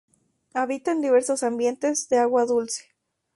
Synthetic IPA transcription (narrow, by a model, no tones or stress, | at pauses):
aβit̪and̪iβe̞ɾsosambje̞nt̪e̞zðeaɣwaðulse̥